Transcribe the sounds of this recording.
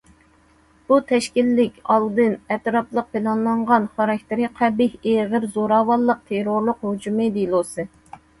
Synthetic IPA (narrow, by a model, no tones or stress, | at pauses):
b̥ut̪ʰɛʃkʲilːɪkʲɑlˠd̪ɨnɛt̪ɾɑplˠəq̚pʰɪlˠɑnlˠɑɴʁɑnχɑɾɑk̚ʲt̪ʰɪɾiqʰæbɪheʁəɾzoɾɑːwɑlˠːəq̚t̪ʰeɾoɾlˠʊqhud͡ʒumɨd̪ilˠosɨ